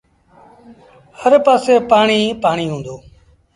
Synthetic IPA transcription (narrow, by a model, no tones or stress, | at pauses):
həɾpaːseːpaːɳiːpaːɳiːɦũːnd̪oː